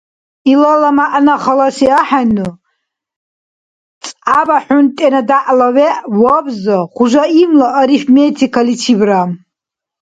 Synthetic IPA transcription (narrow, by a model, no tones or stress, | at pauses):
ilalamaʔnaχalasiaħanɨ | t͡sʼabaħʊntʼenadaʔlaweʔwabzaχʷuʒʷaimlaʔaɾifmetʰikʰalit͡sʰibram